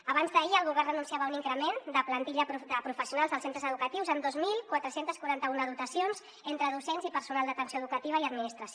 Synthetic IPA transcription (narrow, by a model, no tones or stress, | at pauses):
əβ̞anzðəiəlˠɣuβɛrənunsiaβəuniŋkɾəmend̪əplənt̪iʎəəpɾufəsijunalˠzðəlˠsent̪ɾəzəðukət̪iwzənd̪ozmilˠkwat̪ɾəsent̪əskwuɾant̪əunəðut̪əsionz | ent̪ɾəðusenzipəɾsunalˠd̪ət̪ənsjoəðukət̪iβəiəd̪minist̪ɾəs